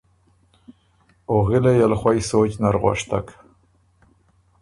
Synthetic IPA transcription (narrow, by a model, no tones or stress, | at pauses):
oɣɪlajalxwajsot͡ʃnaɾɣwa̰ʂt̪a̰k